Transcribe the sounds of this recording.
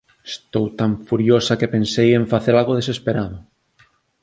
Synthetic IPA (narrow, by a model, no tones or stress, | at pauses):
est̪owt̪aɱfuɾjosakepensejeɱfaθeɾalɣoð̞esespeɾaðʊ